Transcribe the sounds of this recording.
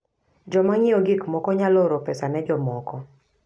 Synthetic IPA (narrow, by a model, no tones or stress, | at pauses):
d͡ʒɔmaŋiɔɡɪkmɔkɔɲalɔɾɔpɛsanɛd͡ʒɔmɔkɔ